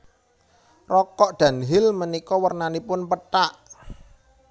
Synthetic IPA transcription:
rɔkɔʔd̪̥a̤nɦɪlmənikɔwərnanipʊnpəʈaʔ

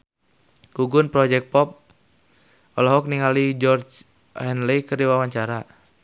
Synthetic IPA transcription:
ɡ̥uɡunpɾɔd͡ʒɛk̚pɔp̚ | ɔlɔɦɔk̚niŋalid͡ʒɔrd͡ʒ | hɛnlɛkərdiwawaɲt͡ʃaɾa

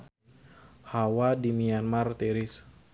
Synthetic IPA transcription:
hawadimianmart̪eɾɪs

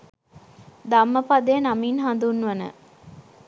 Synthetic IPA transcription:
d̪amːəpɐd̪ejɐnaminɦand̪unːuʋɐnə̰

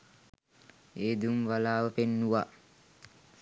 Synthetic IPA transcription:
eːd̪umʋalaːʋəpenːuʋa

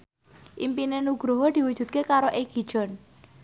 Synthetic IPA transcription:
ʔimpinenuɡɾoɦɔd̪̥i̤wud̥d͡ʒṳd̪̚kekaɾɔʔek̚ɦi̤d̥d͡ʒ̥ɔn

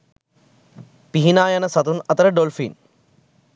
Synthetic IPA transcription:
piɦinaːjɐnɐsɐt̪unɐt̪ɐɾɐɖolfḭːn

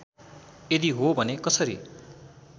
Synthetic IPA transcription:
ed̪iɦobʱʌnekʌsʌɾḭ

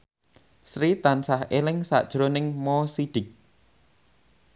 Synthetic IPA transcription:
sɾit̪ansahelɪŋsa̰ʔd̥ʒ̥ɾonɪŋmɔsiɖ̥ɪk̚

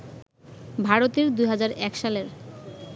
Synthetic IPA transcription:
bʱaɾot̪eɾd̪ujɦad͡ʑaɾɛkʃaleɾ

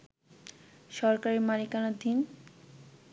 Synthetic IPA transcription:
ʃɔɾkaɾimalikanad̪ʱin

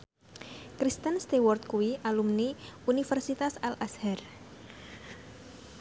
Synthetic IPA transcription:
kɾist̪ənst̪iwɔrt̪̚kuwiʔalumniunifɛrsit̪asalʔashɛr

